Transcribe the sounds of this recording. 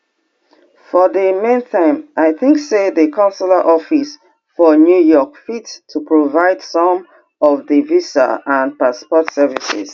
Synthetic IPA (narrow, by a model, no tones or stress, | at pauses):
fɔðəmẽnθãɪ̃mʔaɪθɪ̃ŋkseðəkʰãʊnsələʔɔfis | fɔnjujɔkfittʰupʰɹovaɪd̥sɔ̃m | ɔvðivisə̰ə̃npaspɔtsɛvisɪ̰z̥